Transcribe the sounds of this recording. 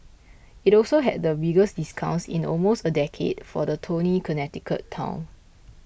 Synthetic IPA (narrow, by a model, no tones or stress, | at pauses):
itɔlsoɦɛ̰t̚dəbiɡəsdiskʰãʊ̃nsḭ̃nɔ̰lmostədɛkʰḛdfɔ̰dətʰonikʰənɛtikʰə̰tʰːã̰ʊ̃n